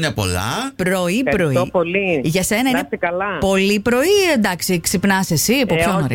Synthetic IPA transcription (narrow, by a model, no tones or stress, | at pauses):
ɲɐpo̞̰lɐ̰pɾo̞ipɾo̞ipoliʝɐse̞nɐineɐlɐpo̞lipɾo̞iend̪ɐksiksipnɐsesipopçonoɾḭ